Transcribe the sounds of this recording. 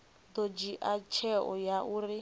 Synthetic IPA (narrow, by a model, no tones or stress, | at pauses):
d̪od͡ʒiʔat͡ʃʰɛʔɔjaʔuɾi